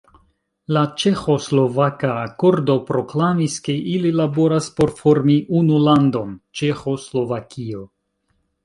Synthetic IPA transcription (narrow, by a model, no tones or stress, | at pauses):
lat͡ʃe̞xo̞slo̞vakaːko̞ɾdo̞pɾo̞klamiske̞ʔililabo̞ɾaspo̞ɾfo̞ɾmiʔunulando̞nt͡ʃe̞xo̞slo̞vakʰio̞